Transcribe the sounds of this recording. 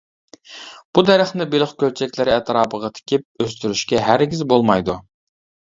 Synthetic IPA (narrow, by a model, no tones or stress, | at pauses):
b̥ud̪ɛɾæχnɪbelˠɨχkʲølt͡ʃʰɛkʲlɪɾɪɛt̪ʰɾɑːpəʁɑt̪ʰe̥kʲip̚øst̪yɾyʃkʲɛɦæɾɡʲizbolˠmɑjd̪u